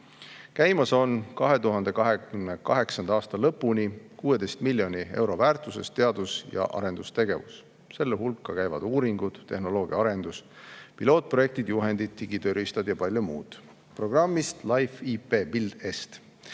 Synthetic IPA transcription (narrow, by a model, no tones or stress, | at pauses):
kæjmɑso̞nkɑɦe̞t̪uɦɑnd̪ekɑɦeymnekɑɦe̞ksɑnd̪̥ɑɑːst̪ɑlɤpːunikuːe̞d̪e̞jst̪milʲːjo̞nie̞̰wɾo̞væːɾt̪ˑuse̞̰st̪e̞ɑd̪usjɑ̰ʔɑ̰ɾe̞nd̪ust̪e̞ɡe̞vṵs | se̞lːeɦulkːˑɑkæjvɑ̰d̪̥uːɾiŋɡud̪̥ːe̞hno̞lo̞ːɡ̥iɑɑɾe̞nd̪uspilo̞ːt̪̚pro̞je̞kt̪id̪̥juɦe̞nd̪̥id̪̥̚t̪ːiɡ̥it̪øɾist̪ɑd̪̥jɑpɑlʲjomuːd̪̥ | pro̞ɡ̥rɑmːist̪lɑjfipe̞ːbild̪̥e̞st̪